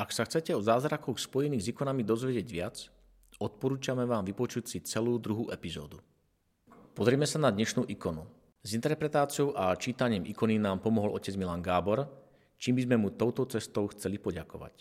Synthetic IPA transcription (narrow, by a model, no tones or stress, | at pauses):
aksaxt͡sɛcɛɔzaːzɾakɔxspɔjɛniːɣzikɔnamid̪ɔzʋɛɟɪɛɟʋɪat͡s | ɔt̪̚pɔɾuːt͡ʃamɛʋaːmʋipɔt͡ʃucsit͡sɛluːd̪ɾuɦuːʔɛpizɔ̰ːd̪u | pɔzɾɪɛmɛsanad̪ɲɛʃnuːʔikɔnu | zint̪ɛɾpɾɛt̪aːt͡siɔʊʔat͡ʃiːt̪aɲɪimʔḭkɔninaːmpɔmɔɦɔlʔɔ̰cɛd͡zmilaːŋɡaːbɔɾ | t͡ʃiːmbizmɛmut̪ɔʊt̪ɔt͡sɛst̪ɔʊxt͡sɛlipɔɟakɔʋa̰c